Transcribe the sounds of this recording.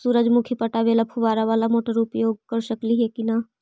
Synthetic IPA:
suːɾəd͡ʒmʊkʰipəʈaʋeːlapʰʊʋaːɾaʋaːlamoːʈəɾʊpjoːɡ̚kəɾʃəkliɦɛkina

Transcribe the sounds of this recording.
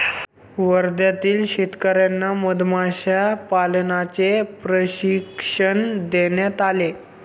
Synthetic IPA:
ʋəɾd̪jat̪iːlɕit̪kəɾjanːaməd̪maɕapalnat͡sepɾəɕikʂənd̪enjat̪ale

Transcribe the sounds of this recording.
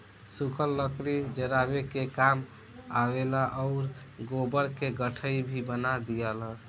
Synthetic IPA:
sukʰəlːəkɾid͡ʒəɾabekekam | awelaʔɔʊɾ | ɡobəɾkeɡəʈʰəibʱibənad̪ijələ

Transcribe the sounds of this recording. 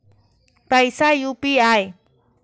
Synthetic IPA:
pajsajʊpiaj

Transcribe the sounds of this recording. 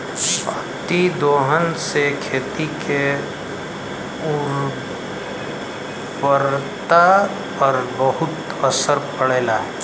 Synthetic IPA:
sa | t̪id̪oːɦənsekʰeːt̪ikʰe | uɾ | pəɾt̪a | pəɾbəɦʊt̪ | əsəɾpəɽeːlaɦɛ

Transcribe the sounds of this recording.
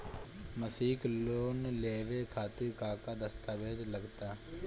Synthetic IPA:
məsiːkloːnleːʋeːkʰaːt̪ɪɾkaːkaːd̪əst̪aːʋeːd̪ləɡt̪aː

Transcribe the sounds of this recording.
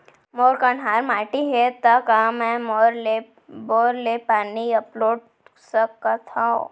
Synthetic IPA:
moːɾkanaːɾmaːʈiɦet̪akamɛ̃moɾle | boːɾlepaːniɐploːɖ̚ | sɐkːat̪ʰão

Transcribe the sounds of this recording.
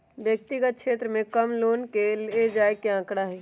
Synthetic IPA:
bjək̚t̪iɡət̪̚kʃʰeːt̪ɾəmẽkəmloːnkeled͡ʒaːekeãːkɽaɦɛː

